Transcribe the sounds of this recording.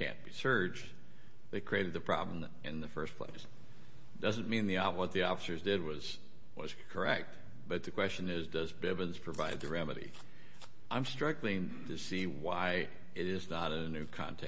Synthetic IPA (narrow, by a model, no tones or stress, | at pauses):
kʰæ̰̃nb̥isɜ˞d͡ʒ | ðeɪkʰɹ̥ieɪɾɨd̪̚ðɨpʰɹ̥ɑ̰bləm̩ | ʔɪ̃nðɨfɜ˞spʰl̥ḛɪs | d̥ʌzɨ̃nmĩnðiɔwʌt̪̚ðiɔfə̥sə˞zdɪd̚wʌz̥ | wʌ̰z̥kʰə˞ɛk̚t̚ | b̥ʌt̪̚ðɨkʰw̥ɛst͡ʃɨ̃nɪzdʌzbɪbɨ̃nz̥pʰɹ̥ɨvaɪd̪̚ðɨɹɛmɨɾḭ | ãɪ̃mstɹ̥ʌɡl̩ˠɪ̃ŋ | tʰɨsi | waɪ | ɪɾɪznəɾɨ̃nɨnʉkʰɑ̰̃ntʰɛ